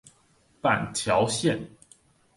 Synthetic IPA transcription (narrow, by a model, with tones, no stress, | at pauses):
pa˨˩nt̪ʰjɑ˧˥ʊɕjɛ˥˨n